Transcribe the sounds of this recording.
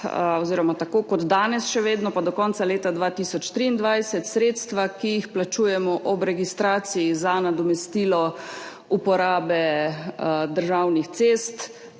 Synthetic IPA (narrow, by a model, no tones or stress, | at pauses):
ɔziːɾɔmat̪akoːkɔd̪d̪aːnɛsʃɛʋeːd̪nɔpad̪ɔkɔːntsaleːt̪ad̪ʋaːt̪isɔt͡ʃt̪ɾiːnd̪ʋajsɛt̪sɾeːt̪st̪ʋakijixplat͡ʃuːjɛmɔʔɔbɾɛɡist̪ɾaːt̪sijizanad̪ɔmɛst̪iːlɔ | upɔɾaːbɛ | d̪əɾʒawnixt̪seːst̪